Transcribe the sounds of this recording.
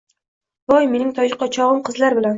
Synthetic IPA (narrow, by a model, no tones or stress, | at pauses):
b̥ɒjme̞nɪŋt̪ʰɒjɪqːɒt͡ʃʰɒʁɨmqʰɨzlaɾbɪlan